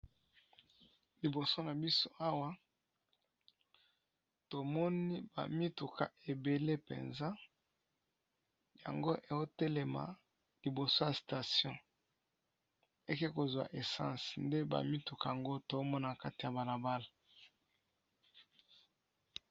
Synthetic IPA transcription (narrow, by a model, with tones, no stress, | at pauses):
li˨bo˨so˦na˨bi˦so˦ʔa˦wa˦ | to˨mɔ˦ni˦ba̰˨mi˦tu˨kʰa̰˨ʔe˨be˨le˦pḛ˨nza˦ | ja̰˨ŋɡo˦ʔe˨o˦te˦le˨ma̰˨ | li˨bo˨so˦ja˨sta˨sjɔ̃˦ | e˦ke˦ko˨zwa̰˨ʔe˨sã̰˦snde˦ba̰˨mi˦tu˨ka˨ja˨ŋɡo˦to˨o˦mɔ˦na˨ka˦ti˨ja˨ba˨la˨ba˦la˨